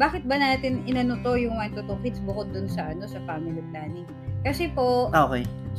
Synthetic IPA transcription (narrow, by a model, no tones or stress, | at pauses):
baːkɪt̪̚bɐnaːt̪ɪnɪnɐnʊt̪o̞jʊŋmɐt̪ot̪okɪd̪sbʊkod̪ːʊnsɐʔɐno̞sɐfaːmɪliplaːnɪŋ | kɐsɛpo̞ʔoːkɛj